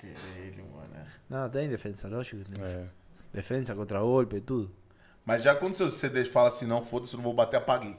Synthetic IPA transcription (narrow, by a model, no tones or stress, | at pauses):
keɾeʎʊ̰̃nɛ̰nɐ̃w̃t̪̬ẽj̃d̪efẽnsɐlɔʒikɐt̪ẽj̪̃fẽs | d̪efẽnsɐkõnt̪ɾɐɡolpeet̪ud̪ʊ | mɐzʒakwɐ̃nd̪ʊsewsed̪et͡ʃfalɐsĩnɐ̃w̃fod̪ɐsewñvowbat̪eapaɡi